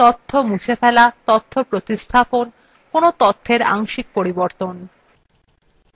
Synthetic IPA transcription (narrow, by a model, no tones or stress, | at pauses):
t̪ot̪ʰːomukʰefɛlat̪ɔt̪ʰːopɾot̪ist̪ʰapon | konot̪ot̪ʰːeɾa̰ŋʃik̚poɾiboɾt̪on